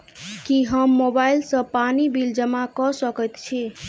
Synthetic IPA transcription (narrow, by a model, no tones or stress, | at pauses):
kiɦəmːobailsə̃panibild͡ʒəmakɔsəkət̪t͡ʃʰi